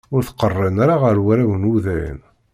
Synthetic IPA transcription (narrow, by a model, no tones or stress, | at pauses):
ʊɾθqərˤːənaɾaʁəɾwæɾæwənuðæjə̰n